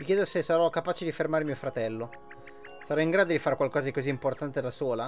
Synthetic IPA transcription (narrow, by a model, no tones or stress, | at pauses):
mikʲjɛːd̪osesaɾɔkːapaːt͡ʃed̪ifermaːɾemiːofɾat̪ɛlːo | saɾɔiŋɡɾaːd̪od̪ifaɾekwalkɔːzad̪ikoziːmport̪ant̪elasoːla